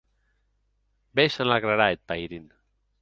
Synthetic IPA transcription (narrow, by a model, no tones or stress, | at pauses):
beʃanaɣɾaɾaet̪̚pajɾin